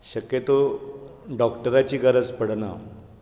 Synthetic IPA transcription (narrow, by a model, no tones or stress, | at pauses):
ɕəkjet̪o | ɖɔkʈəɾat͡ɕiːɡəɾəd͡zpəɽna̰